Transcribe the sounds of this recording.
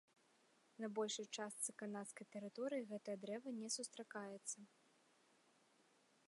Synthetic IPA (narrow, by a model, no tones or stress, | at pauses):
nɐbɔlʲʂɨjt͡ʂast̪sɨkanat̪skɐjt̪ɛɾɨt̪ɔɾɨjiɣɛt̪ɐjɐd̪ɾɛvɐnʲɛsust̪ɾakajɛt̪sːɐ